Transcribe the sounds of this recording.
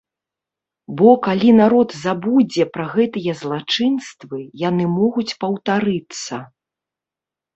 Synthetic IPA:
bɔkalʲinaɾɔt̪zabud͡zʲɛpɾaɣɛt̪ɨjɛzlˠat͡ʂɨnst̪vɨjanɨmɔɣut͡sʲpɐwt̪aɾɨt̪sːɐ

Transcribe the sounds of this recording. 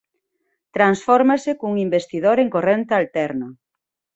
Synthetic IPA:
t̪ɾansfɔɾmasekouŋimbest̪iðoɾeŋkorent̪ɪalt̪ɛɾno

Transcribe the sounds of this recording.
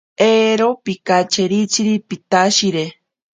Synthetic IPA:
eɾopikat͡ʃeɾit͡ʃiɾipit̪aʃiɾe

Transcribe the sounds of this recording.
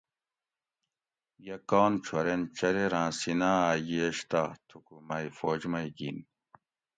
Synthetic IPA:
jɐkaːnt͡ɕʰwɐɾent͡ɕɐɾeɾãːsinãaːjeːɕt̪at̪ʰukumɐjfoːd͡ʑmɐjɡin

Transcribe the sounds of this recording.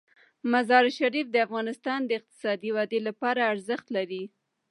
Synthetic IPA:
mazɑɾʃaɾifd̪əafɣɑnɪst̪ɑnd̪əɪq̚t̪ɪ̥sɑd̪iwɑd̪elapɑɾaːɾzəxt̪laɾi

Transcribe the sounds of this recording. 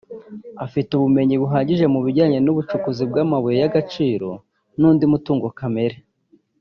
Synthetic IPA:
afituβume̞ɲiβuɦaːɲɟiʒe̞muβiɾɟaːɲe̞nuβut͡ʃukuzib̚ɡamaβujejaɡat͡ʃiːɾo̞̰ | nuːndimutuːŋɡokame̞ɾe

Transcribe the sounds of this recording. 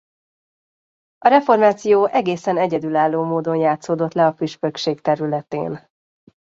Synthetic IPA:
ɒɾɛfo̞rmaːt̪sijoːʔɛɡeːsɛnɛɟɛd̪ylaːlːoːmoːd̪o̞njaːt̪soːd̪o̞t̪lɛɒfyʃpøkʃeːkt̪ɛɾylɛt̪ḛːn

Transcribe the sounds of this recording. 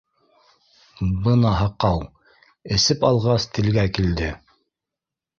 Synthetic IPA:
bɤnɑɦɑqɑw | ɘ̆sɘpɑlˠʁɑst̪ʰɘ̆lɡækild̪ɘ

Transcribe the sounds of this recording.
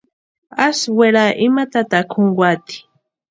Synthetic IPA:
asweɾaʔɪmat̪at̪akʰoɴɡwat̪i̥

